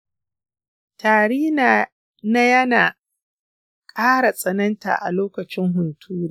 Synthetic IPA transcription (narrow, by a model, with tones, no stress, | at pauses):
taː˨ɽiː˦˨ | na˦jɐ˦naː˨ | kʼaː˦ɽa˨sʼɐ˨nɐ˦nta̰ː˨ʔa̰˨loː˦kɐ˨t͡ʃɪ˦ŋɦʊ˨ntʰuː˦d